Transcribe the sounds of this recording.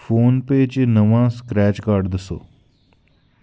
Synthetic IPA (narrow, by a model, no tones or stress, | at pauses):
foːnpeːd͡ʒnəʋãːskɾɛːt͡ʃkaːɾɖd̪əso̰ː